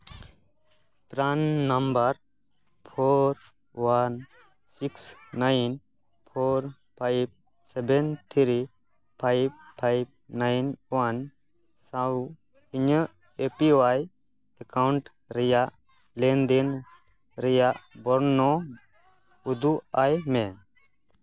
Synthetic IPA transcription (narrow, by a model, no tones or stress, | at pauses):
pɾanːambaɾ | pʰoɾ | wan | siksnajn | pʰoɾ | pʰajb̚ | sɛbɛnt̪ʰiɾi | pʰajb̚pʰajb̚ | najnwan | sa | iɲə | epiwaj | ɛkawɳʈ | ɾɛjaʔ | lɛnd̪in | ɾɛjaʔbɔɾnɔ | ud̪uajmɛ̃